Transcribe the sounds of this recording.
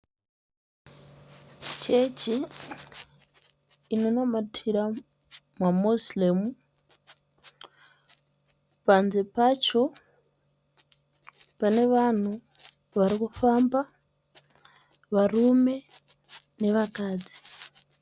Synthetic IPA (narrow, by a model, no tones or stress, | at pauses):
t͡ʃe̞t͡ʃi | nonomatʰiɾa | mwamuslemu | panzepat͡ʃo̞ | pane̞ʋan̤u | ʋaɾikufaːmba | ʋarume̞ | ne̞ʋakaːd͡zi̥